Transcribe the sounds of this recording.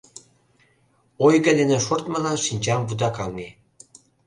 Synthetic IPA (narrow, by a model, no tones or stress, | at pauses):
ojɣə̆d̪enĕʃort̪mɑlɑnʃinʲt͡ɕɑmvud̪ɑkɑŋŋe